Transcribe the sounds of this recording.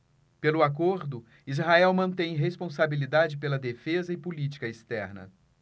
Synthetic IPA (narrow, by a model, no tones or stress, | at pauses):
pelʊakoɾd̪ʊ | izɦaɛwmɐ̃nt̪ẽj̃ɦespõsabilid̪ad͡ʒɪpelɐd̪efezɐɪpulit͡ʃi̥kɐest̪ɛ̰ɾnɐ̰